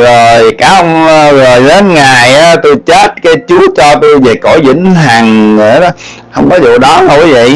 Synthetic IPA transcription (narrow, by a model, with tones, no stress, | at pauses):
zoː˨˩jkaː˨˦ʔə˧wŋ͡mzo˨˩jze˨˦nŋaː˨˩jʔaː˨˦t̪u˧t͡ɕe˦˥t̚kaː˨˦jt͡ɕu˨˦ət͡ɕɔ˧t̪u˧ve˨˩ko˧˩jzḭ˧˥ŋɦa˨˩ŋə˧˩ɗɔ˨˦ | hə˧wŋ͡mkɔ˨˦zṵ˧˨ɗɔ˨˦ə˧˩wvə̰˧˨j